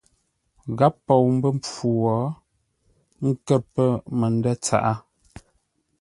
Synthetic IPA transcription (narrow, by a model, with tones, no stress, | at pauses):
ɣa˦pːɔ˨wm̩˦bə˦mp͡fu˨wɔ˨˦ | ŋ̩˦kə˦˨pə˦mə˨n˦dɛ˦t͡sa̰˨ʔa˦